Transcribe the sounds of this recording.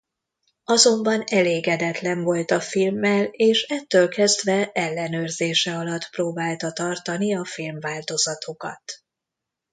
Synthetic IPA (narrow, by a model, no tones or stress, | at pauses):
ɒzo̞mbɒnɛleːɡɛd̪ɛt̪lɛɱvo̞lt̪ɒfilmːɛleːʃɛt̪ːøːlkɛzd̪ʋɛɛlːɛnøːrzeːʃɛɒlɒt̪proːbaːlt̪ɒt̪ɒrt̪ɒniɒfilmvaːlt̪o̞zɒt̪ʰo̞kɒ̰t̪